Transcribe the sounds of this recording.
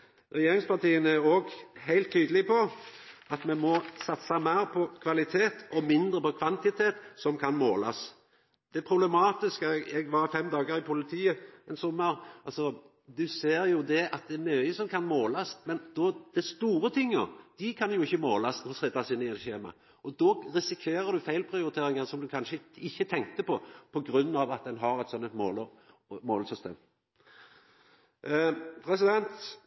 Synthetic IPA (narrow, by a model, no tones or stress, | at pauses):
ɾɛjeːɾɪŋspɑʈ̪iːənæɾoːɡhæɪlt̪̚t̪ʰːyːd̪əlɪpʰɔɑt̪mɛmɔsɑt̪sɑmæɾpʰɔkʰʋɑlɪt̪ʰeːt̪ʔɔmɪnd̪ɾəpɔkʰʋɑnt̪ɪt̪ʰeːt̪sɔmkʰɑnmoːlɑ̰s | d̪̥ɛpʰɾʊblɛmɑːt̪ɪskəɛɡʋɑɾfɛmd̪ɑːɡəɾɪpʰʊlɪt̪ʰiːəɛnsɔmːəɾɑlsɔ | d̪ʉseːɾjʊd̪ɛʔɑt̪̚d̪ɛæɾmyːəsɔmkʰɑnmoːlɑsmɛnd̪̥ɔd̪̥ɛst̪uːɾət̪ʰɪŋːəɾd̪̥ɪkʰɑnjʊɪçːəmoːlɑsnɔsɛt̪ːɑsɪnːəɛçeːmɑ̰ | ʔɔd̪ɔɾɪsɪkʰeːɾəd̪ʉfæɪlpʰɾɪʊɾɪt̪ʰeːɾɪŋɑʁsɔmd̪ʉkʰɑnʃəɪçːət̪ʰɛŋk̚t̪əpɔpʰɔɡɾʉnːɑʋɑt̪̚d̪ɛnɦɑɾɛt̪sɔnːət̪moːlə | moːlsʏst̪ḛːm | pʰɾɛsɪd̪ɛnt̪